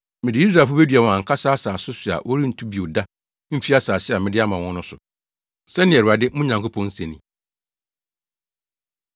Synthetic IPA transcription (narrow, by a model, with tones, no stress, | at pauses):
mɪ̃˨dɪ˨˦i˦s̬ɾa˨fʊ˦be˦dɥa˨wɔ̃˨ã˨ŋ̩˨kʰa˦saː˦saː˨sʊ˦sʊ˨a̰˨ʔwʔɔ˦ɾi˦n̩˨tʰu˦bi˨o˨da˦ | m̩˦fi˦a˦saː˨sɪ˦a˨mɪ̃˦dɪ˦a˦mã˨wɔ̃˦nʊ̃˦sʊ˨ | sɛ˦nɪ̃˨ɛ˨ɾa˨dɪ˦mũ˦ɲã˨ŋkʰo˦pʰɔ̃˦n̩˦sɛ̃˨nĩ˨